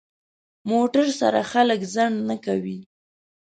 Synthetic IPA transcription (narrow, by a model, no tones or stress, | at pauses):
moʈaɾsa̰ɾaxaləkzaɳɖnakawi